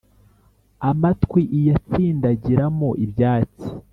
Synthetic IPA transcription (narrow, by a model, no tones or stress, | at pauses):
amatkwiʔijat͡siːndaɟiɾamoʔibjaːt͡si̥